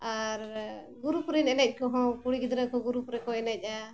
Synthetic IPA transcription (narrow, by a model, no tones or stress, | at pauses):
aɾɡuɾupɾinɛnɛc̚ˀkɔɦɔ̃kuɽikid̪ɾakɔɡuɾupɾɛkɔɛnɛc̚ˀa